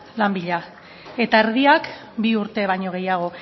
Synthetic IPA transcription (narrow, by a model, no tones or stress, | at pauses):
lambiʎa | e̞t̪aeɾðiak | biuɾt̪e̞βajɲo̞ɣ̞e̞jaɣ̞o̞